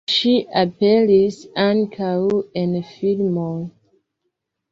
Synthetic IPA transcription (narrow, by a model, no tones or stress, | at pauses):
ʃiʔapelisãŋkʰawenfilmol